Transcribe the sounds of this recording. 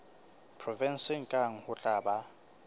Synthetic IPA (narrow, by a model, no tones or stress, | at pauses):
pʰrɔvɛnsɪŋ̩kʼaŋ̩hʊt͡ɬʼaːba